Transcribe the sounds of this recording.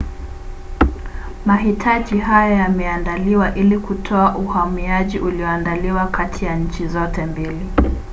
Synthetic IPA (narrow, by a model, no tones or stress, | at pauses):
maɦitʰaʄiɦajajamɛandaliwaʔilikutʰɔaʔuhamiaʄiʔuliɔandaliwakʰatʰijaɲ̩t͡ʃizɔtɛmbili